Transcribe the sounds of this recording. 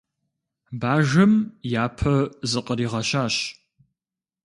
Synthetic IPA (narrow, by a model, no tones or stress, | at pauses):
baːʒɐmjaːpʰɐzɨqʼəɾiːʁɐɕaːɕ